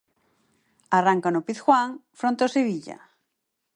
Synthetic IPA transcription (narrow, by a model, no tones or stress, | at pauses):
araŋkanopiθxwaŋfɾõnt̪oseβiʎa̰